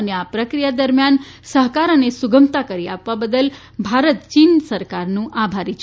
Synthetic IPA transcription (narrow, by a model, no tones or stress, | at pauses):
əneapɾəkɾijad̪əɾmjansəɦkaɾənesuɡəmt̪akəɾia̰pʋabəd̪əl | bʱaɾət̪t͡ʃinsəɾkaɾnũʔabʱaɾit͡ʃʰ